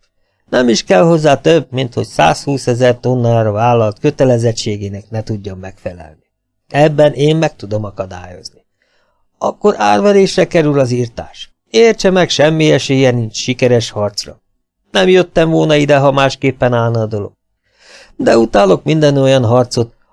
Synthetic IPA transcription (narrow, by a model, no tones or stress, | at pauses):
nɛmiʃkɛlho̞zːaːt̪øb̚mint̪ho̞csa̰ːshuːsɛzɛrt̪o̞nːaːɾɒvaːlːɒlt̪køt̪ɛlɛzɛt͡ʃːeːɡeːnɛknɛt̪uɟːɒmːɛkfɛlɛ̰lni | ɛbːɛneːmmɛk̚t̪ud̪o̞mɒkɒd̪a̰ːjo̞̰zni | ɒkːo̞ɾʔaːrvɛɾeːʃrɛkɛɾylɒziːrt̪a̰ːʃ | eːrt͡ʃɛmɛkʃɛmːiɛʃeːjɛnint͡ʃʃikɛɾɛʃhɒrt̪srɒ̰ | nɛmjøt̪ːɛɱvolnɒid̪ɛɦɒmaːʃkeːpːɛnaːlnɒd̪o̞lo̞̰ɡ̥̚ | d̪ɛut̪aːlo̞kmind̪ɛno̞jɒnɦɒrt̪so̞t̪